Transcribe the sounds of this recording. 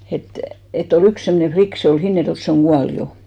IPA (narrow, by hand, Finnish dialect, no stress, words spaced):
et et ol yks semːŏne flik se ol hinːerjoĕlt se oŋ ɡ̊uɑl jo